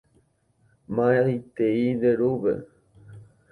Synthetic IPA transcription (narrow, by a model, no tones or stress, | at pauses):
mãeit̪eind̪eɾuβḛ